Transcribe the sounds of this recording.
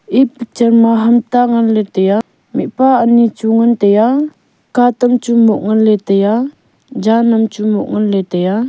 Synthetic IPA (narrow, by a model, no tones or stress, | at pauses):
ʔipit͡ʃəɾmaɦamt̪aŋanlet̪eja | miʔpaənit͡ʃuŋant̪eja | kat̪əmt͡ʃumɔʔŋanlɛt̪eja | d͡ʒanamt͡ʃumɔʔ̚ŋanlɛt̪eja